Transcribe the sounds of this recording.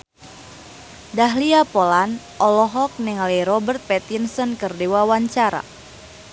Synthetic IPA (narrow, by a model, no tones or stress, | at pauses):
daɦliapolan | ʔɔlɔɦɔk̚nɪŋlɛɾɔbərt̪̚pɛt̪insɔnkərdewawaɲt͡ʃaɾa̰